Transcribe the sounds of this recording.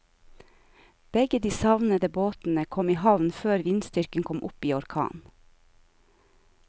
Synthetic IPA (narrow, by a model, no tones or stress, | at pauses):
b̥ɛɡəd̪iːsɑʋnəd̪əboːt̪n̩əkʰɔmiːhɑʋnføːɾʋɪnst̪ʏɾkənkʰɔmʔʊpiːɔɾkʰɑ̰ːn